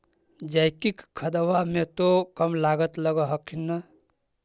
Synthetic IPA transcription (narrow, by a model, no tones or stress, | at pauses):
d͡ʒajkikkʰəd̪əwamẽt̪okəmlaɡət̪ləɡəɦəkʰːinːə